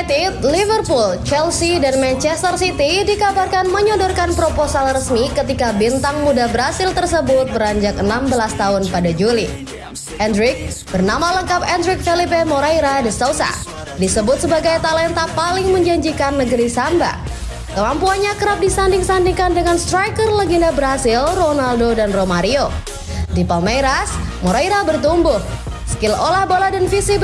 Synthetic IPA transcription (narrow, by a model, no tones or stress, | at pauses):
t̪it̪̚livərpult͡ʃɛlsidanmɛnt͡ʃɛst̪ərsit̪idikabarkanməɲɔdɔrkanpɾoposalrəsmikət̪ikabint̪aŋmudabəɾasɪlt̪ərsəbʊt̪̚bəɾaɲd͡ʒak̚ənambəlast̪aɦʊnpadad͡ʒuli | ʔɛndɾɪk̚b̥ərnamaləŋkapɛndɾɪk̚fɛlip̬emoɾajɾadəsausa̰ | disəbʊt̪̚səbaɡajt̪alɛnt̪apalɪŋməɲd͡ʒaɲd͡ʒikanːəɡəɾisamba̰ | kəmampuanɲakəɾap̚disandɪŋsandiŋkandəŋanst̪ɾajkərləɡindabəɾɦasɪlronaldodanromaɾio | dipameɾasmoɾaiɾabərt̪umbʊh | sə̥kɪlolahboladanfisi